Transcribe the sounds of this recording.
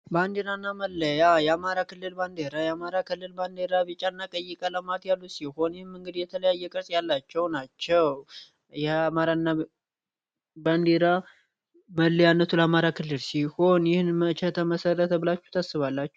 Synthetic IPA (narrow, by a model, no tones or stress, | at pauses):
band̪eɾanːaməlːəjajɛamaɾakʰɨlːɨlband̪eɾajamaɾakʰɨlːɨlband̪eɾaβit͡ʃʼanːakʼəjːɪkʼələmat̪jalːusiho̞njɪhɨmɨŋɡɨd̪jɛt̪ʰələjajːɛkʼɨɾsʼjalːat͡ʃːɛwnat͡ʃːɛw | jɛamaɾanːa | band̪eɾa | məlːjanːət̪ʰuləamaɾakʰɨlːɨlsiho̞njɪhnmət͡ʃɛt̪ʰəməsərət̪ʰəbɨlat͡ʃːut̪ʰasːɨβalːat͡ʃːɛ